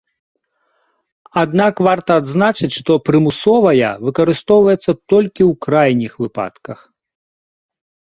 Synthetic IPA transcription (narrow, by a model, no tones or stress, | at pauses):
ad̪nakvart̪ɐːd̪znat͡ʂɨt͡sʲʂt̪ɔpɾɨmusɔvɐjɐ̰vɨkɐɾɨst̪ɔwvɐjɛt̪sːɐt̪ɔlʲkʲiwkɾajnʲixvɨpa̰t̪kɐx